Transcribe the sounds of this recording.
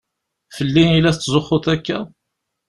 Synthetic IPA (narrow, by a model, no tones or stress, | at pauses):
fəlːinilæθət͡sːzoχːoθækːæ